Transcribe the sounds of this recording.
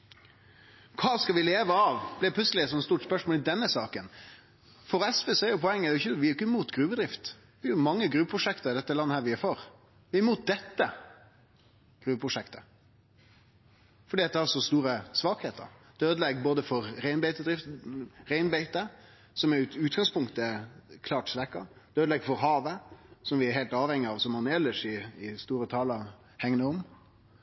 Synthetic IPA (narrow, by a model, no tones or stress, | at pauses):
kʰɑːskɑʋɪleːʋəɑʋblɪpʰlʉtsəlɪɛt̪sɔmɛt̪st̪uːʈspœʂmoːlɪd̪ɛnːəsɑːkən | fɔɾɛsʋeːsɔɛɾjʊpʰɔɛŋːəd̪ɛʊɪçəʋɪæɾjʊkːəɪmuːt̪ɡɾʉːʋəd̪ɾɪft̪ | ʋɪjʊmɑŋːəɡɾʉːʋpʰɾʊʂɛkt̪əɾd̪ɛt̪ːəlɑnːəhæːɾʋɪæfɔɾ | ʋɪæɾmuːt̪̚d̪ɛt̪ːə | ɡ̥ɾʉːʋəpʰɾʊʂɛkt̪ə̥ | fɔɖiːɑt̪̚d̪ɛhɑsɔst̪uːɾəsʋɑːkheːt̪ə̰ɾd̪̥øːd̪əlɛɡboːd̪əfɔɾɾæɪnbæɪt̪əd̪ɾɪft̪ɾæɪnbæɪt̪ə | sɔmɛʉːt̪ɡɑŋspʊŋkt̪əkʰlɑːʈsʋɛkːɑd̪̥øːd̪lɛɡfɔɾɦɑːʋəsɔmʋɪæɾheːlt̪ɑːʋhɛŋːɪɑʋsɔmɑnɛlːəʂɪɪst̪uːɾət̪ʰɑːləɾ | hɛŋnəɔm